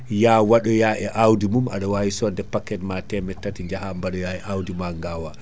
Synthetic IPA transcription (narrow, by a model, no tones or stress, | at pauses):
jawaɗɔjaʔɛʔawdimuma̰ɗawajisɔdɛpakːɛtmatɛmɛtːatiɲd͡ʒahambaɗɔjaɛʔawdimaŋɡawa